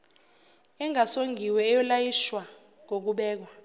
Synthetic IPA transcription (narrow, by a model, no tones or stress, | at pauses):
ɛŋasoŋɡʱiwɛːjɔlajiʃwa | ŋok̬uɓɛːk̬wa